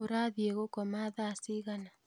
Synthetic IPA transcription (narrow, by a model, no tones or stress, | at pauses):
oɾaðjeɣokɔmaðaːsiɣana